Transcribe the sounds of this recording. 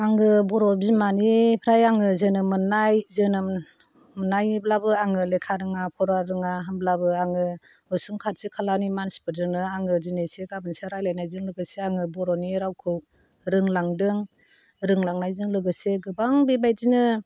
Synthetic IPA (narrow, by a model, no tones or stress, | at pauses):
aŋɡɯbɔɾɔbzimanipʰɾajaŋɯzɯnɯmɯnajzɯnɯ | mɯnajniblabɯaŋɯlekʰaɾɯŋapʰɔɾwaɾɯŋaɦanblabɯaŋɯ | ɯsuŋkʰat̚sikʰalanimanspʰɯɾzɯnɯaŋɯzineseɡabɯnsaɾajlajnajzɯŋlɯɡɯseaŋɯbɔɾɔniɾawkʰɯ | ɾɯŋlaŋdɯŋ | ɾɯŋlaŋnajzɯŋlɯɡɯseɡɯbaŋbebajzinɯ